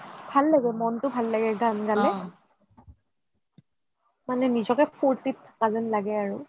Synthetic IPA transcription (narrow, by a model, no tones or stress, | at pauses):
b̥ʱalːaɡɛmɔntʊbʱalːaɡɛɡamɡalɛ | manɛnizɔkɛpʰoɹtitpazɛnlaɡɛaɹu